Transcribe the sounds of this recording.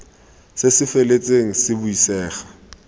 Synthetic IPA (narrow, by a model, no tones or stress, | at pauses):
sesɪfelet͡sʼeŋ̩sɪbʊisɛːχḁ